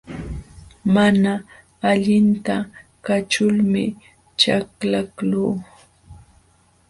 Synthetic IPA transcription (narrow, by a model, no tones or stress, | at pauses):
manaː | ʎɪnt̪akat͡ʃʊlmɪ̰ | t͡ʃaklakluː